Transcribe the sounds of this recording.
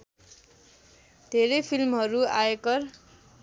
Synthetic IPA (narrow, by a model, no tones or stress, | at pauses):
d̪ʱeɾʌjpʰilmɦʌɾuaekʌr